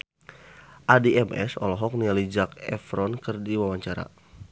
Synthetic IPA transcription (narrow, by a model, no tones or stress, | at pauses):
ʔadiɛmɛ̰sɔ̰lɔɦɔk̚nialid͡ʒakɛ̰fɾɔnkɨrdiwawaɲt͡ʃaɾa̰